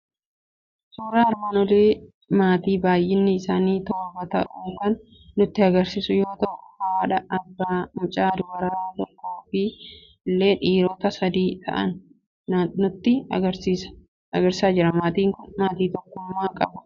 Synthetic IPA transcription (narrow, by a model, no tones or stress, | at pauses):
suːɾaːɐɾmaːnɔleː | maːt̪iːbaːjʔɪnːɪːsaːniːt̪oːbɐt̪ɐʔuːŋkɐnː | ʊt̪ːɪɐɡɐɾsisʊjo̞ːt̪ɐʔʊhɐwaːᶑɐʔɐbːaːmʊt͡ʃʼaːd̪ʊwɐɾɐɾaːt̪ɔkːo̞ːfɪ | lːe̞ːᶑiːɾɔːt̪ɐsɐd̪iːt̪ʰɐ̰ʔɐ̰n | nʊt̪ːɪɡɐɾsiːsɐ̥ | ɐɡɐɾsɪ̥saːd͡ʒɪɾɐmaːt̪iːŋkʊnmaːt̪iːt̪ɔkːʊmːaːkʼɐbɐ̥